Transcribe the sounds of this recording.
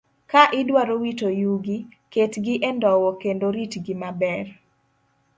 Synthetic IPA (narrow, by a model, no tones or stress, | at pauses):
kaʔɪdwaɾowitojuɡi | ketɡɪʔɛndɔwɔkendoɾitɡɪmabɛr